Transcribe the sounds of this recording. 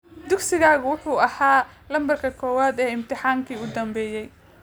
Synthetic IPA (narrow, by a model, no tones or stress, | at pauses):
d̪ʊɡsɪɣaːɣʊwʊħuːɐhaːlɐmbɐrkʰɐkʰɔːwaːd̪ɛːɪmt̪ʰɪħaːŋkʰiːʊd̪ɐmbɛːjɛj